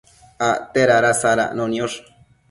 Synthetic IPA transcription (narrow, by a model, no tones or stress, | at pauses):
at̪eɾaɾasaɾa̰ʔnonjoʂ